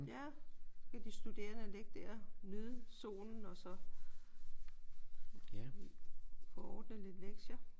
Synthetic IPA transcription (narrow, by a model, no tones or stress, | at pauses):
jækʰæd̥isd̥ud̥e̝̰ːɐnəle̝ɡ̥̚d̥æɐnøðˠso̝̰ːln̩ɒ̽sɒ̽ | jæ | fɒɒːd̥nəle̝d̥leɡ̥ɕɐ